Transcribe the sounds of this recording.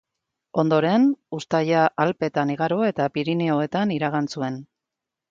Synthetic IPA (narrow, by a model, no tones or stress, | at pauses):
o̞nd̪o̞ɾe̞nust̪ajaʔalpe̞t̪aniɣaɾoe̞t̪apiɾineo̞e̞t̪aniɾaɣant͡sue̞n